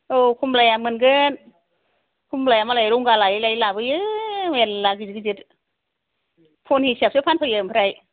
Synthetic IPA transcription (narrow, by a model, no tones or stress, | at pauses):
ʔokʰumlajamɯnkən | kʰumlajamalajɾuŋkalajlajlaːbɯjɯwellak̬ɯd͡ʒkɨd͡ʒit | pʰonhisip̚supʰanpʰajɯmʰpʰaɾaj